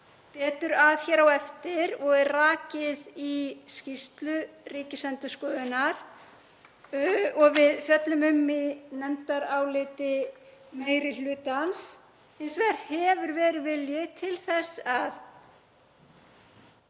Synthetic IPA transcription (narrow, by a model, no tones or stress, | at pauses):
pɛːt̪ʏɾaðçɛɾawɛft̪ɪɾɔɣɛɾraːcɪðiscist̪lʏriːcɪsɛnt̪ʏskɔːðɪnaɾ̥ | ɔɣvɪðfjœt̪lʏmʏmːinɛmt̪aɾawlɪːt̪ɪmeːjɾɪlʏːt̪ans | ensvɛɾhɛvʏɾvɛːɾɪðvɪljɪt̪ʰɪlθɛsað